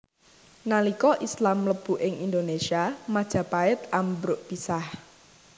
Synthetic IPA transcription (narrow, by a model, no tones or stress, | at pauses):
nalikɔʔislamləb̥ṳʔɪŋʔind̪onesiamad̥ʒ̥ä̤paɪt̪̚ambɾʊʔpisah